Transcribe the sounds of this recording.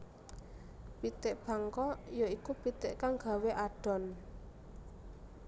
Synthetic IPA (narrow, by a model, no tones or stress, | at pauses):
pit̪ɪʔb̥a̤ŋkɔjoikupit̪ɪʔkaŋɡ̥a̤weʔaɖ̥ɔ̤n